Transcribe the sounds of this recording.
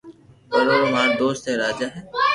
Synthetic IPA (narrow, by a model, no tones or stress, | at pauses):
oɾoːʊmãːɾd̪oːst̪eːɾaːd͡ʒaːɦɛː